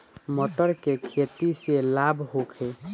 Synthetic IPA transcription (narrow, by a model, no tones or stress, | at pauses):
mɔʈəɾkekʰet̪iselabʱɦokʰe